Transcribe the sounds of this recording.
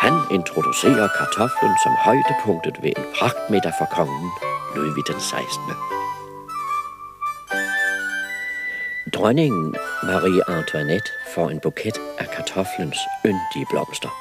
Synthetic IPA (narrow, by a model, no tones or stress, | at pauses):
hæne̝nt͡sʰʁo̝d̥use̝̰ːɐkʰɑ̈t͡sʰɒ̽flənsɒ̽mhɒɪd̥əpʰɔ̽ŋ̰d̥ð̩ˠʋe̝ʔenpʰʁɑ̈ɡ̥̚d̥med̥ɐfɒkʰɒ̽ŋn̩nuðˠʋid̥ensɑ̈ɪsd̥nə | d̥ʁœne̝ŋn̩mɑ̈ʁḭːʔɑnt͡sʰuæned̥fɒe̝nb̥ukʰed̥ʔækʰɑ̈t͡sʰɒ̽flənsønd̥iəb̥lɒ̽m̰sd̥ɐ